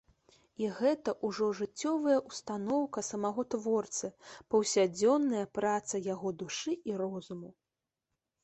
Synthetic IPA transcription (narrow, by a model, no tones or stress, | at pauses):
iɣɛt̪ɐʔuʐɔʐɨt͡sʲːɔvɐjɐʔust̪anɔwkɐsɐmaɣɔt̪vɔrt̪sɨpɐwsʲad͡zʲɔnːɐjɐpɾat̪sɐjaɣɔd̪uʂɨiɾɔzumu